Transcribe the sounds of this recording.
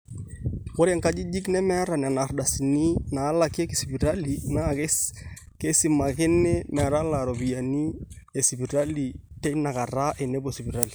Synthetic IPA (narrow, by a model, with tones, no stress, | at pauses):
wɔ˦ɾɛ˨ŋka˦d͡ʒi˦d͡ʒi˦knɛ˦mɛ˦a˦ɾa˨na˨na˨ɾda˨si˨ni˦na˨˦la˨ke˦ki˨si˨bi˨ɾa˦li˨na˦˨k | ke˦si˨ma˨ke˦nɛ˦mɛ˨a˨ɾa˦la˨ɾo˨bi˨ja˨ni˦ | e˨si˨bi˨ɾa˦li˨tɛ˦na˨ka˨ɾa˦ʔɛ˨ne˦bo˨si˨bi˨ɾa˦li˨